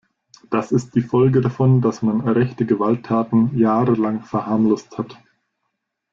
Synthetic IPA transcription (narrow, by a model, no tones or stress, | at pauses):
d̥asɪst̚d̥iːfɔlɡədafɔndasmanʁɛçtəɡəvaltʰːaːtn̩jaːʁəlaŋfɛɐhaːmlʊsthat